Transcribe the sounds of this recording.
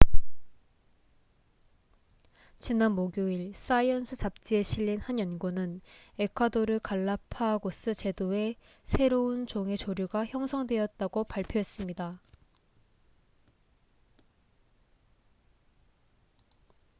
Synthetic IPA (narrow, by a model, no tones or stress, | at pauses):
t͡ɕinanmoɡjuiɭs͈aiʌnsʰɯt͡ɕap̚t͡ɕ͈ie̞ɕʰiʎːinhanjʌnɡonɯne̞kʰwadoɾɯɭkaɭːapʰaɡos͈ɯt͡ɕe̞doe̞ | sʰe̞ɾount͡ɕoŋe̞t͡ɕoɾjuɡaçjʌŋsʰʌŋdwe̞jʌt̚t͈aɡopaɭpʰjoe̞s͈ɯmɲida